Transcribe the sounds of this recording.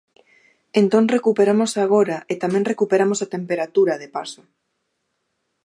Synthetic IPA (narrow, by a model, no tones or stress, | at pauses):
ent̪õŋrekupeɾamosaɣ̞oɾaet̪amẽŋrekupeɾamosat̪empeɾat̪uɾɐðepa̰so